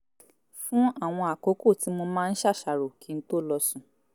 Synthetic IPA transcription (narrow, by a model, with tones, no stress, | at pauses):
fũ˦a˦˨w̃ɔ̃˧a˨ko˨˦ko˦˨ti˨˦mo˧mãː˦˧n̩˦ʃa˦˨ʃa˨ɾo˨ki˨˦n̩˦to˦˨lɔ˧sũ˨